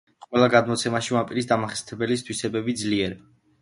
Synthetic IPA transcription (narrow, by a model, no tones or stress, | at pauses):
qʼwɛlaɡad̪mɔt̪sʰɛmaʃimapʼiɾisd̪amaχɛst̪ʰɛbɛlist̪ʰwisɛbɛbid̪zliɛɾ